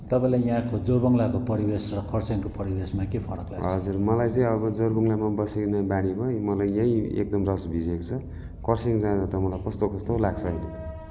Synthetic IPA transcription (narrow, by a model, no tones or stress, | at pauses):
t̪ʌpãĩlajjãkod͡zoɾbʌŋlakopʌɾibesrʌkʌrseŋkopʌɾibesmakepʰʌɾʌ̰kla̰ɡɦʌd͡zurmʌlajt͡saĩʌbʌd͡zoɾɡuŋlamabʌseknabaɽ̃ibʌmʌlajjʌĩḛk̚d̪ʌmrʌsbʱid͡zekot͡sʰʌ | kʌrseŋd͡zãdʌt̪ʌmʌlajkʌst̪okʌst̪olaɡt͡sʰʌːjnʌ